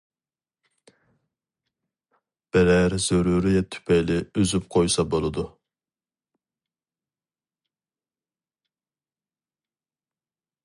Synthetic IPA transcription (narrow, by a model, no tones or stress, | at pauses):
b̥ɛɾæɾz̥øɾuɾijɛt̪ʰy̥pʰɛjlɪøzyp̚qʰojsɑbolˠɨd̪u